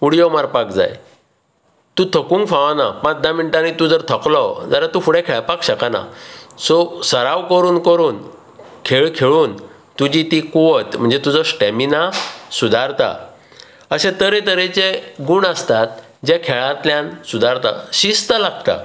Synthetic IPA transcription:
uɽijomaɾpakd͡za̰j | t̪ũt̪ʰəkũːŋkfãʋana̰pãt͡sd̪aminiʈanit̪ũd͡zəɾt̪ʰəklɔd͡zaɾat̪ufuɽẽkʰeɭpakɕəkana̰sɔsəɾaʋkəɾuːnkəɾuːn | kʰeɭkʰeɭuːn | t̪ud͡ʑit̪ikuʋət̪m̤əɳd͡zet̪ud͡zɔsʈeminasud̪ʱaɾt̪a̰ | əsẽt̪əɾet̪əɾet͡ɕeɡuɳəst̪at̪̚ | d͡ʑjakʰeɭãt̪ljãnsud̪ʱaɾt̪a̰ɕist̪əlaɡt̪a̰

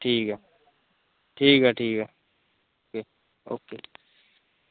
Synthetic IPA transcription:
ʈʰiːkɦɛ | ʈʰiːkɦɛʈʰiːkɦɛ | oke | o̰ːke

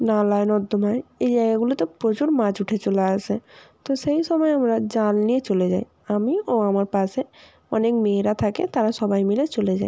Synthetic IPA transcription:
nalajnɔd̪ʱːomaeejd͡ʑajɡaɡulot̪opɾot͡ɕuɾmad͡ʑuʈʰet͡ɕolaasʰet̪oʃejʃɔmɔeamɾad͡ʑalniet͡ɕoled͡ʑaj | amioamaɾpaʃe | ɔ̰nekmeɾat̪ʰakḛt̪aɾaʃɔbajmilet͡ɕoled͡ʑa̰j

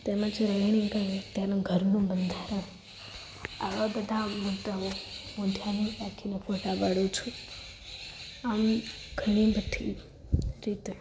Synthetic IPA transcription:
t̪eməd͡ʒɾəɳ̃ĩkəɾit̪janãɡʱəɾnũbənd̪ʱaɾən | a̰ʋabəd̪ʱamut̪ːəomõt̪ʰjanibakʰinefʰoʈabaɽjut͡ʃʰu | am | ɡ̥ʱəɽ̃ibəʈʰi | ɾit̪e

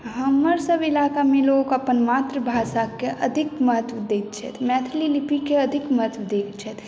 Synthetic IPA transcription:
ɦəmːəɾsəbɪlaːkamẽloːkəpənmaːt̪ɾəbʱaːsakeʔəd̪ʱɪkməɦət̪ʋəd̪eːt̪̚t͡ʃʰɛ̰t̪ʰmɛːt̪ʰlilipikeɐd̪ʱɪkmət̪ʰʋd̪eːkt͡ʃʰɛt̪

